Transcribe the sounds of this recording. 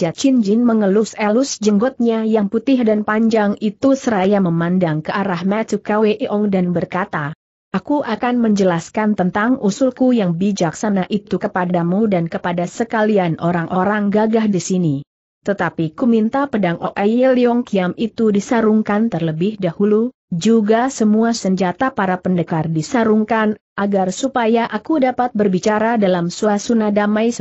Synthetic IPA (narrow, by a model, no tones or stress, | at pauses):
at͡ʃind͡ʒɪnməŋəlusɛlusd͡ʒəŋɡɔt̪̚ɲajaŋput̪ɪhdanpaɲd͡ʒaŋit̪usəɾajaməmandaŋkəʔaɾahmat͡ʃukaweʔiʔɔŋdanbərkat̪a | ʔakuʔakanməɲd͡ʒəlaskant̪ənt̪aŋusulkujaŋbid͡ʒak̚sanaʔit̪ukəpadamudankəpadasəkalianʔoɾaŋʔoɾaŋɡaɡahdisini | t̪ət̪apikumint̪apədaŋʔoʔajəliɔŋkiamit̪udisaɾuŋkant̪ərləbɪhdahulu | d͡ʒuɡasəmuasəɲd͡ʒat̪apaɾapəndəkardisaɾuŋkanʔaɡarsupajaʔakudapat̪̚bərbit͡ʃaɾadalamsuasunahdamajs